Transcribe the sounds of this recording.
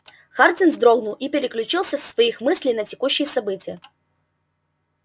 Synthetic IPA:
xartʲɪnzd̪ɾoɡnʊlˠipʲɪɾʲɪklʲʉt͡ɕilˠsʲəsːvɐixmɨsʲlʲɪjnətʲɪkuɕːɪjəsɐbɨtʲɪjə

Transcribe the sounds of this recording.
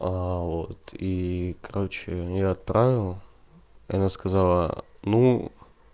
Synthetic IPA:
avo̞t̪ʰikɐɾot͡ɕɪjaɐt̪̚pɾʔavʲɪlˠ | ɐ̰naskɐzalˠə̰nu

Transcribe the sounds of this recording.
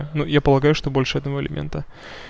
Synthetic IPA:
nujapəlˠɐɡajʊʂt̪o̞bolʲʂɨɛt̪əvəɪlʲɪ̰mʲḛnt̪ə

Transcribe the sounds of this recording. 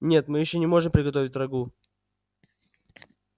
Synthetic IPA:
nʲe̞t̪mɨjɪɕːonʲɪmo̞ʐɨmpɾʲɪɡɐt̪ovʲɪtʲvrɐɡu

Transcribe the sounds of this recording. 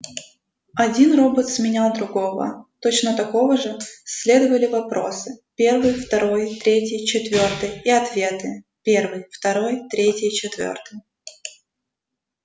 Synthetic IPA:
ɐdʲinro̞bət̪smʲɪnʲalˠd̪ɾʊɡo̞və̰t̪o̞t͡ɕnət̪ɐko̞vəʐɨsʲlʲed̪əvəlʲɪvɐpɾo̞̰sɨpʲe̞rvɨjft̪ɐɾo̞jt̪ɾʲetʲjɪt͡ɕɪt̪vʲo̞rt̪ɨjiɐt̪vʲe̞t̪ɨ | pʲe̞rvɨjft̪ɐɾo̞jt̪ɾʲetʲjɪt͡ɕɪt̪vʲo̰rt̪ɨj

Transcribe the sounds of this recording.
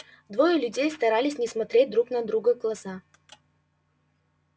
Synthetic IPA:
d̪vojəlʲʉdʲejst̪ɐɾalʲɪsʲnʲɪsmɐt̪ɾʲet̚ʲd̪ɾuknɐd̪ɾuɡəɡlˠɐza

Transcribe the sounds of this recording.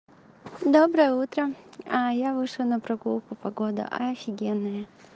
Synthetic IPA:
d̪obɾəjəut̪ɾəajavɨʂlˠənəpɾɐɡulˠkʊpɐɡod̪ə̰ʔɐ̰ːfʲɪɡʲenːəjə

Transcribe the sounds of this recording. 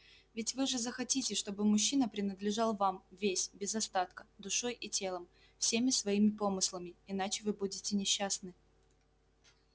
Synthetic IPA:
vʲɪtʲvɨʐɨzəxɐtʲitʲɪʂt̪o̞bɨmʊɕːinəpɾʲɪnəd̪lʲɪʐalˠvamvʲesʲbʲɪzɐst̪at̪kə̥d̪ʊʂo̞jʔɪtʲe̞lˠəm | fsʲemʲɪsvɐimʲɪpo̞mɨslˠəmʲɪɪnat͡ɕɪvɨbudʲɪtʲɪnʲɪɕːasnɨ

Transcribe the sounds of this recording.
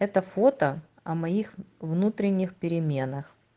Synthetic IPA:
ɛt̪əfot̪ə | ɐmɐixvnut̪ɾʲɪnʲːɪxpʲɪɾʲɪmʲe̞nəx

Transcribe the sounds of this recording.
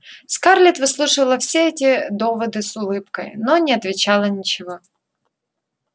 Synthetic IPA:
skarlʲɪt̪vɨslˠɨʂɨlˠəfsʲeɛtʲɪd̪ovɐd̪ɨsʊlˠɨpkə̰jnonʲɪɐt̪vʲɪt͡ɕalˠənʲɪt͡ɕɪvo

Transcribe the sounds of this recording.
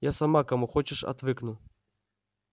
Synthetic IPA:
jasamakɔmuxɔt͡ɕɛʂa̰t̪vɘknu

